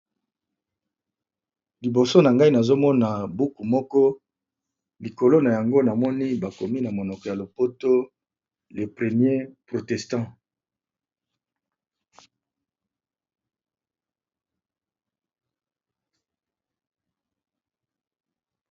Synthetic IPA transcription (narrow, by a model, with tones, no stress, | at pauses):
li˨bo˨so˦na˨ŋɡa˦i˦na˨zo˦mɔ˦na˨bu˦ku˨mɔ˦kɔ˦ | li˨ko˨lo˦na˨ja˨ŋɡo˦na˨mɔ˦ni˦ba˨ko˨mi˦na˨mo˨nɔ˨kɔ˨ja˨lo˨po˦to˦ | le˨pʁe˨mje˦pʁo˨tɛ˨stɑ̃˦